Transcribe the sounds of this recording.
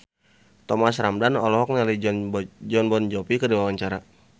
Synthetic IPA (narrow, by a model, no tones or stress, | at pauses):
t̪ɔmasɾamdanɔlɔɦɔk̚nali | d͡ʒɔnbɔnd͡ʒɔpikədiwawaɲt͡ʃaɾa